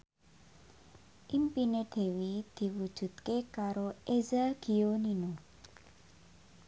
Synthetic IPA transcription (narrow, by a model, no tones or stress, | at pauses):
ʔimpined̪̥e̤wid̪̥i̤wu̥ʒ̥ṳt̪kekaɾoʔezaɡ̥ionino